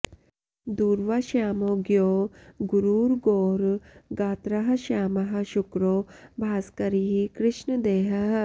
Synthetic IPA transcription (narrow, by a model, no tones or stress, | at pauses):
d̪uːɾʋɐʃjaːmoːɡjoːɡuɾuːɾɡoːɾɡaːt̪ɾɐɦɐ̆ʃaːmɐɦɐ̆ʃʊkɾoːbʱaːskɐɾiɦikɾɪʃnɐd̪eːɦɐɦ